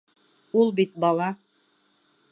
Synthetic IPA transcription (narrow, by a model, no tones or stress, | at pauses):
ulˠbit̪̚bɑlˠɑ